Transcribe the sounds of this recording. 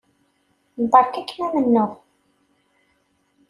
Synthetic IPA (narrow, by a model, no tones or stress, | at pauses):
nt̪ˤːɑɾˤkækːmæmənːʊʁ